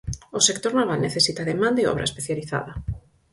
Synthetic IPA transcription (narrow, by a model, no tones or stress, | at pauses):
ʊsekt̪oɾnaβalneθesit̪aðemãnd̪ɪɔ̰βɾʔɐḛspeθjaliθa̰ðɐ